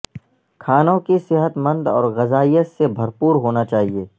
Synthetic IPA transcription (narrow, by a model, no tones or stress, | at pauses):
kʰaːnõkisɪɦət̪mɐ̃nd̪ɔːɾɣɐzaːijəsebʱɐɾpuːɾɦoːnat͡ʃaːɦieː